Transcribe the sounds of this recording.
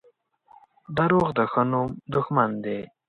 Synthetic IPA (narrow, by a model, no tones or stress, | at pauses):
d̪aɾoːɣd̪əxənumd̪ʊxmand̪e